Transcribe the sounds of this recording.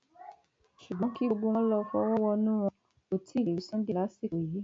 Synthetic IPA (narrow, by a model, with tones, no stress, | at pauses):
ʃu˨ɡ͡bɔ̃˨˦ki˦o˧ɡ͡bo˧wɔ̃˦lɔ˧fɔ˦wɔ˦wɔ˦˧nũ˦w̃ɔ̃˧ | o˨tʰi˨˦˨i˨i˨˦sɔ̃˦de˦la˨˦si˦˨o˨je˨˦